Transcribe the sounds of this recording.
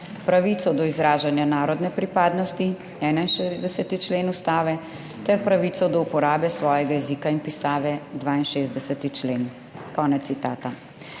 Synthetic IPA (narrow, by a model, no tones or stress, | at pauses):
pɾaʋiːt̪sɔd̪ɔizɾaːʒanjanaːɾɔd̪nɛpɾipaːd̪nɔst̪i | ɛːnainʃezd̪ɛsɛt̪it͡ʃleːnust̪aːʋɛ | t̪ɛɾpɾaʋiːt̪ɔd̪ɔupɔɾaːbɛsʋɔːjɛɡajɛzikainpisaːʋɛd̪ʋaːinʃeːzd̪ɛsɛt̪it͡ʃleːn | kɔːnɛt̪sit̪aːt̪a